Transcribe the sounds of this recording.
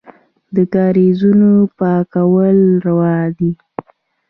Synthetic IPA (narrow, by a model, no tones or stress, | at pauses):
d̪əɡɑɾezunopɑkawəlɾawɑd̪i